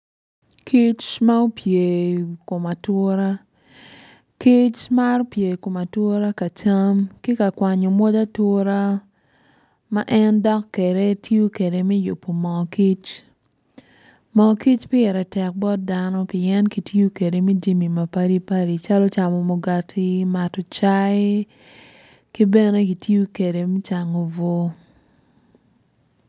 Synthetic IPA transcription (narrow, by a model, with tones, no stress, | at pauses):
ki˦t͡ʃma˦o˦pje˨ko˨ma˨two˦ɾa˦ | ki˦t͡ʃma˦ɾɔ˦pje˨ko˨ma˨two˦ɾa˦ka˨t͡ʃa˦mki˦ka˨kwa˨ɲo˨mo˦da˦to˦ɾa˦ | ma˦ʔɛ˦ndɔ˦kːe˨ɾe˦tjo˦ke˨de˨mɛ˦jo˨pːo˨mɔ˨ki˦t͡ʃ | mɔ˨ki˦t͡ʃpɪ˦ɛ˨ɾɛ˨tɛ˨k̚bɔ˦t̚da˦nɔ˦pɪ˨ɛ˦nki˨ti˦o˦ke˨de˨mɛ˦d͡ʒi˦mi˨ma˨pa˦ɾi˦pa˦ɾi˨t͡ʃa˦lɔ˦t͡ʃa˨mɔ˨mo˨ɡa˨tʰi˦ma˨tɔ˨t͡ʃa˦ɪ˦ | ki˦bɛ˦ne˦ki˨tjo˦ke˨de˨mɛ˦t͡ʃa˨ŋo˨vo˦